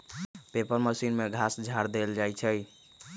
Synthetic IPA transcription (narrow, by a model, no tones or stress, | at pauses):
pepəɾməsinmeɡʱasd͡ʒʱaɾd̪eld͡ʒajt͡ʃʰəj